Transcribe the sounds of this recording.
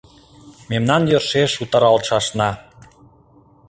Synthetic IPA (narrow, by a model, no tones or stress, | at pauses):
memnɑnjørʃeʃut̪ɑɾɑlʃɑʃnɑ